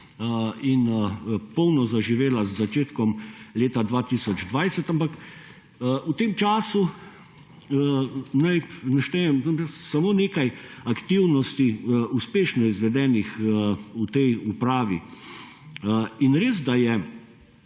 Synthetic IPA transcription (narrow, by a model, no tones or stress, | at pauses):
inpɔwnɔzaʒiʋeːlazːat͡ʃeːt̪kɔmleːt̪ad̪ʋaːt̪iːsɔd͡ʒd̪ʋajsɛt̪ampakː | ut̪eːmt͡ʃaːsu | najnaʃt̪ɛjɛmɛssamoːneːkajakt̪iwnɔst̪iuspeːʃnɔizʋɛd̪ɛːnixut̪ɛjupɾaːʋi | inɾeːz̬d̪ajɛ